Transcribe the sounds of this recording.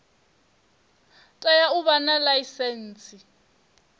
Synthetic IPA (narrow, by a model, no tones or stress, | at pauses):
tʼajauβanalaisɛn̩ːt͡sʼi